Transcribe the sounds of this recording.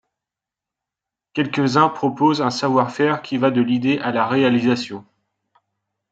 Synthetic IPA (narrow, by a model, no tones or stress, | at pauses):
kʲɛlkʲəzɛ̃pχɔpozɛ̃savwaʁfɛʁkʲʰivad̪əlid̪eʔalaʁealizasjɔ̃